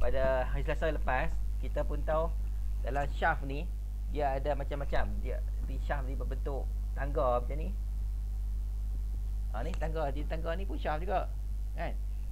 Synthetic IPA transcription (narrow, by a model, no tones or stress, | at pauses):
padaɦaslasaləpas | kit̪apunt̪aw | dalamʃafni | diaːdamat͡ʃamːat͡ʃamdia | diʃafnibəbənt̪ʊʔ | t̪aŋɡɔbid͡ʒanĩ | ʔanit̪aŋɡɔdit̪aŋɡɔnĩpunʃafd͡ʒuɡaʔ | kan